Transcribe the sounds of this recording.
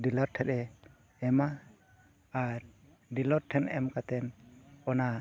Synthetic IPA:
dilɔɾʈʰɛɗɛ | ɛmaː | ɾ | ɖilɔɾʈʰɛnɛmkat̪ɛnɔna

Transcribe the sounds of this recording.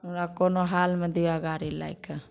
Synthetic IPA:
unakɔnɔɦalmɛd̪uaɡaɾila̰jkə

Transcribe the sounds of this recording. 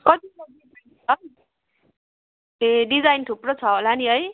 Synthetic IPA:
kʌt̪ilaia | ʌ | eɖid͡zajnt̪ʰuprʌt͡sʰʌɦolaniɦʌj

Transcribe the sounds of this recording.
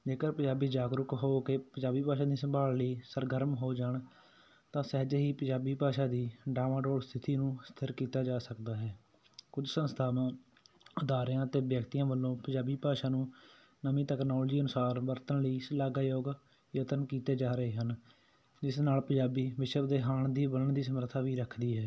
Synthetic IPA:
d͡ʒeːkəɾpə̃d͡ʒaːbiːd͡ʒaːɡɾʊkɦoːkeːpəd͡ʒaːbiːpaːʃaːd̪iːsəmbaːlləiːsəɾɡəɾmɦoːd͡ʒaːɳ | t̪ãːsɛːd͡ʒeɦiːpəd͡ʒaːbiːpaːʃaːd̪iːɖaːmãːɖoːlst̪ʰɪt̪iːnũːst̪ʰɪɾkiːt̪aːd͡ʒaːsəkd̪aːɦɛː | kʊd͡ʒsənst̪ʰaːʋãː | ʊd̪aːɾjãːət̪eːʋjəkt̪ijãːʋəlːõːpəd͡ʒaːbiːpaːʃaːnũː | nəmĩːt̪ɛːknoːld͡ʒiːənʊsaːɾʋəɾt̪ənləiːsəlaːɡaːjoːɡ | jət̪ənkiːt̪eːd͡ʒaːɾəeːɦən | d͡ʒɪsnaːlpəd͡ʒaːbiːʋɪʃəbd̪eːɦaːɳd̪iːbələɳd̪iːs̬əməɾt̪ʰaːʋiːɾəkʰd̪iːɦɛː

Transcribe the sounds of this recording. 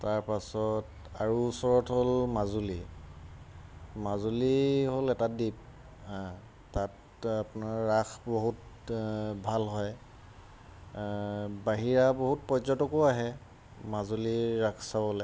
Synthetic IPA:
taɹpasɔt | aɹuːsɔɹɔtɦolmazuli | mazuliɦolɛtadip̚ | tat | apunaɹːaxboɦut | bʱalɦɔj | baɦiɹaboɦut̚pɔzɔtɔkoaɦɛ | mazuliɹakʰsabɔlɛ

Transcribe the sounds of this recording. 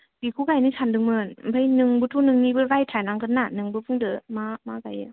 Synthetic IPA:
bikʰukajnikʰandɯŋmɯnpʰajnɯŋbɯtʰunɯŋnibɯɾajtʰanaŋkʰɯnːanɯŋbɯpʰɯŋdɯmamakajɯ

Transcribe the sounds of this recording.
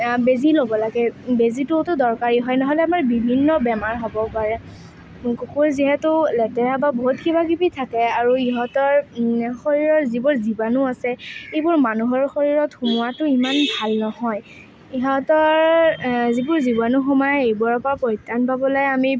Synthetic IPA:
bezilobɔlaɡɛbezitutʊdɔɹkaɹiɦɔjnɔɦɔlɛamaɹbibʱinːɔbɛmaɹɦobɔpaɹɛ | kokuɹziɦɛtʊlɛtɛɹababoɦutkibakibitʰakɛaɹuiɦɔtɔɹxoɹiɹɔtzibʊɹzibanuasɛejbʊɹmanuɦɔɹxoɹiɹɔtxumʊwatʊimanbʱalnɔhɔj | iɦɔtɔɹzibʊɹzibanuxɔmɔjɛejbɔɹpapɔjtːanpabɔlajami

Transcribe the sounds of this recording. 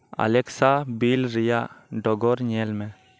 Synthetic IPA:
a̰lɛksabilɾijaʔɖɔɡɔɾɲɛlmɛ

